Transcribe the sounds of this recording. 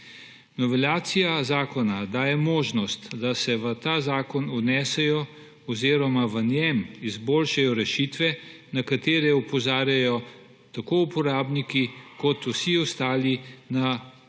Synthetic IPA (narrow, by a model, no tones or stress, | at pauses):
nɔʋɛlaːt̪sijazaːkɔnad̪aːjɛmoːʒnɔst̪d̪asɛʋət̪aːzaːkɔnunɛːsɛjɔ | ɔziːɾɔmaʋənjɛmizboːlʃajɔɾɛʃiːt̪ʋɛ | nakat̪eːɾɛupɔzaːɾjajɔ | t̪akoupɔɾaːbnikikɔt̪usiɔst̪aːlina